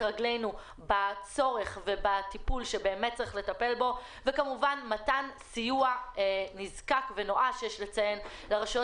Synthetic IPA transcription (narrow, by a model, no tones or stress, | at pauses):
ʁaɡle̞jnu | bat͡so̞ʁe̞χve̞batipulʃe̞be̞ːmet̚t͡sʁiχle̞tape̞lbo̞ | vekamuvanmatansijuanizkakve̞no̞ʔaʃejeʃlet͡saje̞nleʁaʃo